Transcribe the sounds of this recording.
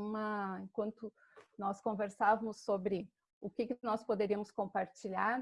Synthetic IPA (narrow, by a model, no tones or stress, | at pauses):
ũmɐẽkwɐ̃nt̪ʊ | nɔskõveɾsavɐmʊsːobɾɪ | ʊkɪkɪnɔspod̪eɾiɐmʊskõmpaɾt͡ʃiʎaɾ